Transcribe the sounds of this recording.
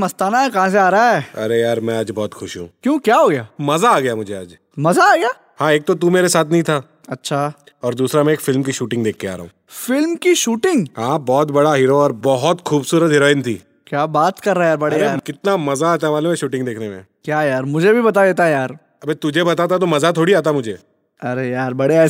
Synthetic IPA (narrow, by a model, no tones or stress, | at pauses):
mɐst̪aːnaɛkɐɦãs̬eaːɾɐaɛːɐɾejaːɾmɛ̃aːd͡ʒbɔːt̪xʰʊʃɦṵ̃kjõːkjaːɦoːɡɐjaːmɐzaːɡɐjamʊd͡ʒʱea̰ːd͡ʒ | mɐzaːɡɐjaː | hãːeːk̚t̪ot̪umeːɾesaːt̪ʰnɐɦĩt̪ʰaː | ɐtːʃʰa | ɔːɾd̪uːsɾamɛ̃eːkfɪlmkiʃuːʈɪ̃ŋɡd̪eːkʰːea̰ːɾɐ̰ɦṵ̃ː | fɪlmkiʃuːʈɪ̃ŋɡɦãːbɔːt̪bɐɽaɦɪɾoɔːɾbɔɦɔt̪xuːbsuːɾət̪ɦɪɾoːɪnt̪ʰḭː | kjaːbaːt̪kɐɾːaejaːɾbɐɽeeaːɾkɪt̪namɐzaaːt̪aɦɛmaːlũmẽʃuːʈɪ̃ŋɡd̪eːkʰnemḛ̃ | kjaːjaːɾmʊd͡ʒʱebʱibɐt̪̬ad̪eːt̪ajaːɾ | ɐbet̪ʊd͡ʒʱebɐt̪at̪̬at̪̬omɐzat̪ʰoːɽiaːt̪̬amʊd͡ʒʱeː | ɐɾejaːɾbɐɽeɛ